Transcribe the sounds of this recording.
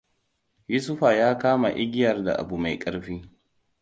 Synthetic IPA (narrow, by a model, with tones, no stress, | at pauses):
ju˦sʊ˦ɸa˨jaː˦kaː˦ma˨ʔɪ˦ɡʲɪ˦jɐ˨rda̰˨ʔa̰˨bu˨ma˨jkʼɐ˦ɾɸiː˦